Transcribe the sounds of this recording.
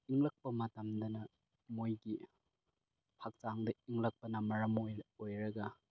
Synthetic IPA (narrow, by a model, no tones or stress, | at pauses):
iŋlɐk̚pɐmɐtɐmdɐnɐ | mojɡi | pʰak̚taŋdɐiŋlɐk̚pɐnɐmɐɾɐmojojɾɐɡɐ